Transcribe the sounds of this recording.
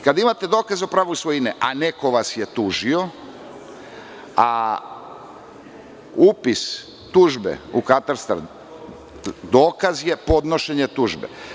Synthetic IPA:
kad̪aimat̪ed̪oːkazeopɾaːʋusʋoineʔanekoʋasjet̪uːʒio̞ | a | upis | t̪uːʒbḛukat̪aɾst̪a̰ɾ | d̪oːkazje̞po̞d̪no̞ʃeɲet̪uːʒbḛ

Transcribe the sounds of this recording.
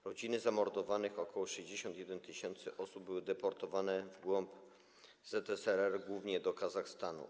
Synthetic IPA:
ɾɔd͡ʑinɘzamɔɾd̪ɔvanɘxɔkʰɔwɔʂɛʑd͡ʑeɕɔnt̪jɛd̪ɛnt̪ɘɕɛnt̪sɘʔɔsub̚bɘwɘd̪ɛpɔɾt̪ɔvanɛvɡwɔmp | z̥ɛt̪ɛsɛɾɛɾɡwuvɲɛd̪ɔkazaxst̪anṵ

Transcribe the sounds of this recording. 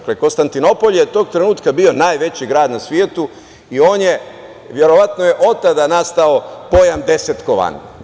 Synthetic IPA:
klekonst̪ant̪ino̞po̞ʎjet̪o̞ːɡ̚t̪ɾenuːt̪kabio̞naːjʋe̞t͡ɕiɡɾaːd̪nasʋjeːt̪u | io̞ːnje̞ | ʋje̞ɾo̞ʋat̪noje̞ʔo̞t̪ːad̪anast̪ao̞po̞jamd̪e̞set̪koʋa̰n

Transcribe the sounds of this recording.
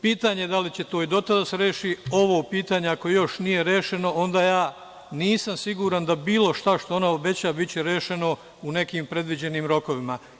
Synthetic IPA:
piːt̪aːɲed̪alit͡ɕe̞t̪o̞ːid̪o̞t̪ad̪aseɾe̞ːʃio̞ʋoːpiːt̪aːɲeakoejo̞ʃnije̞ɾeːʃe̞no̞o̞nd̪aːjaː | niːsamsiɡuːɾand̪abiːlˠo̞ʃt̪aʃt̪o̞o̞naobe̞t͡ɕabitt͡ɕeɾe̞ːʃe̞no̞ | une̞kiːmpɾe̞d̪ʋid͡ʑe̞niːmɾo̞ko̞ʋima

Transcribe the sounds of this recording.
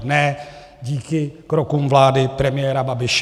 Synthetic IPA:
nɛ | ɟiːkɪkɾokumvlaːdɪpɾɛmɪjɛːɾababɪʃ

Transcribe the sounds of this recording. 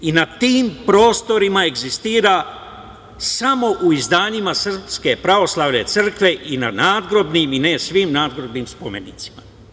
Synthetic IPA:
inat̪iːmpɾo̞ːst̪o̞ɾimae̞ɡzist̪iːɾa | samo̞ʔuizd̪aːɲimasr̩pske̞pɾaʋo̞slˠaʋne̞t̪sər̩kʋe̞ʔinanaːd̪ɡɾo̞bniminesʋimnaːd̪ɡɾo̞bnimspome̞nḭːt̪si̥ma̰

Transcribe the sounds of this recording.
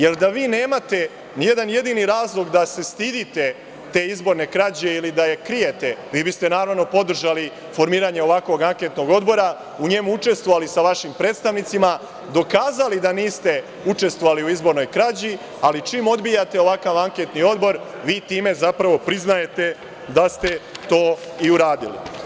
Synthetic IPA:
je̞ld̪aʋiːne̞ːmat̪e̞ | nije̞d̪anje̞d̪iniɾaːzlˠo̞ɡd̪ase̞st̪iːd̪it̪e̞ | t̪e̞izbo̞ɾne̞kɾad͡ʑeilid̪aje̞kɾijet̪e̞ʋiːbist̪e̞naːɾaʋno̞po̞d̪r̩ʒali | fo̞ɾmiːɾaɲe̞o̞ʋakʋo̞ɡaŋke̞t̪no̞ɡo̞d̪bo̞ɾa | uɲe̞muut͡ʃe̞st̪ʋo̞ʋalisaʋaʃimpɾeːt̪st̪aʋnit̪sima | d̪o̞kaːzalid̪aniːst̪e̞ | ut͡ʃe̞st̪ʋoaliuizbo̞ɾno̞jkɾad͡ʑi | alit͡ʃiːmo̞d̪bijat̪e̞o̞ʋakaʋaŋke̞t̪nio̞d̪bo̞ɾ | ʋiːt̪iːme̞zapɾaʋo̞pɾiznaje̞t̪e̞ | d̪ast̪e̞t̪o̞ːiuɾaːd̪ilḭ

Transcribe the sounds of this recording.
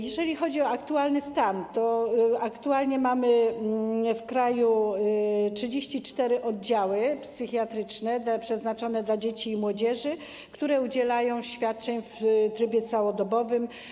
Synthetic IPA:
jɛʐɛlʲixɔd͡ʑiɔakt̪ualnɘst̪ant̪ɔakt̪ualɲɛmamɘ | fkɾaju | tʂɘd͡ʑeɕt͡ɕit͡ʂt̪ɛɾɘʔɔd̪̚d͡ʑawɘpsɘxjat̪ɾɘt͡ʂnɛpʂɛznat͡ʂɔnɛd̪lad͡ʑet͡ɕiːmwɔd͡ʑɛʐɘ | kt̪uɾɛud͡ʑɛlajɔ̃w̃ɕfʲjat̪̚t͡ʂɛɲft̪ɾɘbʲjɛt̪sawɔd̪ɔbɔvɘm

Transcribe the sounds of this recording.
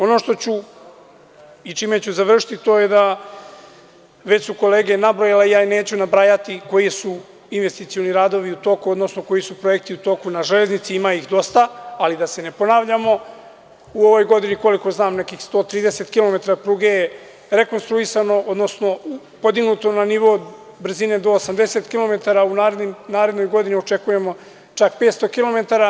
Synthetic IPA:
o̞no̞ːʃt̪o̞t͡ɕu | it͡ʃime̞t͡ɕuzaʋr̩ʃi̥t̪it̪o̞ːje̞d̪a | ʋe̞t͡ɕsuko̞leːɡe̞nabɾojalejaːine̞ːt͡ɕunabɾaːjat̪iko̞jisu | inʋe̞st̪it̪sijo̞niɾaːd̪o̞ʋiut̪o̞kuo̞d̪no̞sno̞ko̞jisupɾo̞ek̚t̪iut̪o̞kunaʒele̞znit̪siimaixd̪o̞st̪aalid̪ase̞ne̞po̞naːʋʎamo̞ | uo̞ʋo̞jɡo̞d̪iniko̞liko̞znaːmne̞kixst̪o̞ːt̪ɾiːd̪eset̪kilo̞me̞t̪aɾapɾuːɡeje | ɾe̞ko̞nst̪ɾuisano̞o̞d̪no̞sno̞u | po̞d̪iɡnut̪o̞naniʋo̞ | br̩zine̞d̪o̞ːsamd̪e̞se̞t̪kilˠo̞me̞t̪aɾaunaːɾed̪nimnaːɾe̞d̪no̞jɡo̞d̪iniot͡ʃe̞kuje̞mo̞ | t͡ʃakpet̪st̪o̞kilo̞me̞t̪aɾa

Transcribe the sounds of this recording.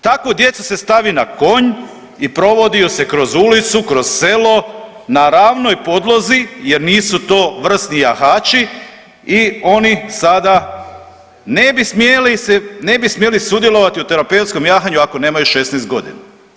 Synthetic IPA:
t̪akʋod̪je̞t̪suse̞st̪aʋinako̞ɲ | ipɾo̞ʋo̞d̪iuse̞kɾo̞zulit̪sukɾo̞z̥se̞lo̞ | naɾaːʋno̞jpo̞d̪lˠo̞zije̞ɾniːsut̪o̞ːʋr̩st̪nijaxaːt͡ʃi | io̞nisad̪a | ne̞bismjelisene̞bismjelisud̪jelˠo̞ʋat̪iut̪eɾapewt̪sko̞mjaːxaɲuako̞neːmajuʃesnɛjst̪̚ɡo̞d̪ḭna

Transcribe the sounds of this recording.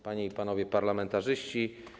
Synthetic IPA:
paɲeipanɔvʲjɛpaɾlamɛnt̪aʐɘɕt͡ɕi

